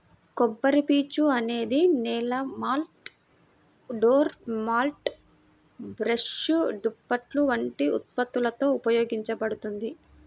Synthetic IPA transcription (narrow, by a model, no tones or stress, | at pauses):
kɔbːɐɾipiːt͡ʃuɐne̞ːd̪inɛːlɐmaːlʈ | ɖoːɾmaːlʈ | bɾɐʂud̪upːɐʈluʋɐɳʈiut̪̚pɐt̪ːulɐt̪o̞ːupɐjo̞ːɡiɲt͡ʃɐbɐɽut̪und̪i